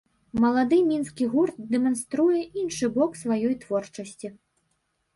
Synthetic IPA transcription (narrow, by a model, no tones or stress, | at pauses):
mɐlˠad̪ɨmʲinskʲiɣurt̪̚d̪ɛmanst̪ɾujɛʔinʂɨbɔksvajɔjt̪vɔrt͡ʂɐsʲt͡sʲi